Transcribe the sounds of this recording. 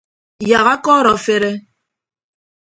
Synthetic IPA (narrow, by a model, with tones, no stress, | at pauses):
ja˨ɣa˦kɔ˦ɾɔ˨fe˦ɾe˦